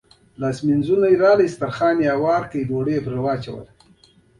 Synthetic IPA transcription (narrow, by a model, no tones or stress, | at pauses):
laːsminzunajɾɑːlijst̪aɾxɑːnjawɑːɾkəjd̪oːɽepɾawɑːt͡ʃawə̰l